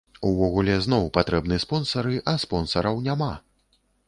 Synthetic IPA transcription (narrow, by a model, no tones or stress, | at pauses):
uvɔɣulʲɛznɔwpat̪ɾɛbnɨɛspɔnsɐɾɨʔɐspɔnsɐɾɐwnʲama